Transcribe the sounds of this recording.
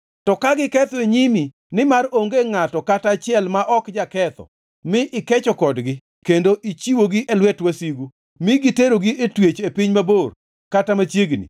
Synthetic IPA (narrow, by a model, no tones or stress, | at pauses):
tɔkaɡɪkɛt̪ɔeɲimi | nɪmaroŋɡeŋatɔkatat͡ʃɪɛlmaʔɔkd͡ʒakɛt̪ɔ̰ | mɪʔɪkɛt͡ʃɔkɔdɡɪ | kendoʔit͡ʃiwoɡiʔelwɛtwasiɡu | mɪɡiteɾoɡietwet͡ʃepɪɲmabor | katamat͡ʃjeɡnḭ